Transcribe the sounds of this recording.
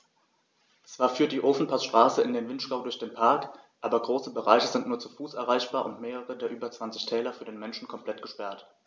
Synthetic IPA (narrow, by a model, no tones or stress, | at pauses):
t͡sv̥aːɐfyːɐt̚d̥iːʔoːfn̩pʰasʃtʁ̥aːsəɪndeːnvɪntʃɡ̥aʊdʊɐçd̥eːnpʰaɐkʔaːbɐɡʁoːsəbəʁa̰ɪçəzɪntnuːɐt͡sufuːsʔɛɐʁ̞aɪçb̥aːɐʔʊ̰ntmeːʁ̞əʁədeːɐʔyːbɐt͡sv̥ant͡sɪçtʰɛːlɐfyːɐdeːnmɛnʃn̩kʰɔmpl̥ɛtɡ̥əʃpɛɐt